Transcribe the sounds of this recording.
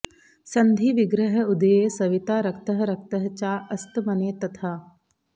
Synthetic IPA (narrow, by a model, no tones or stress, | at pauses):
sɐnd̪ʱiʋiɡɾɐɦɐ̆ud̪ɐjeːsɐʋit̪aːɾɐk̚t̪ɐɦɐɾɐk̚t̪ɐɦɐt͡ʃaːʔɐst̪mɐneːt̪ɐt̪ʰaː